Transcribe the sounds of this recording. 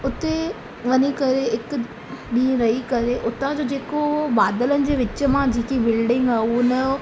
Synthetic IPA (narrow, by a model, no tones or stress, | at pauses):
ʊt̪e | ʋɐɲikɐɾeɪk | ɗĩːɾɐɦikɐɾeʔʊt̪ãd͡ʑoːd͡ʑeːkobaːd̪ələnɪ̆d͡ʑeːʋɪt͡ɕəmãd͡ʑiːkibɪlɖɪ̃ŋɡaːunɐjo